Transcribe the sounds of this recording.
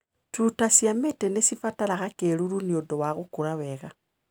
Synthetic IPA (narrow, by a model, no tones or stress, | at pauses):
tutasjametenesifatalaxakeluluniodowaɣukulaweɣa